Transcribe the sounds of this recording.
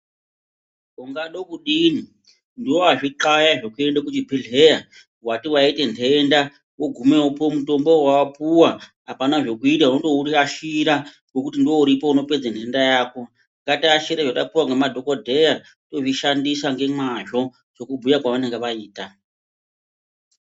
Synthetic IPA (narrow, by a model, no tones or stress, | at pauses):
kuŋɡaɗo̞kuɗini | ndiwoaʐiǃajaʐo̞kue̞ndakut͡ʃibʱiɮeja | watiwaitentʰe̞nda | woɡʱumeopomuto̞mbo̞wawapuwaɦapanaʐo̞kuitaunoto̞uriaʃiɾa | ɡokutindiwo̞uɾipouno̞pe̞d͡zentʰe̞ndajaːko̞ | ŋɡatiaʃiɾaʐatapuwaŋɡemadʱo̞kodʱe̞ja | to̞ʐiʃandisaŋɡe̞maʒo̞ | t͡ʃo̞kubʱujakwaʋaneŋɡeʋaiːta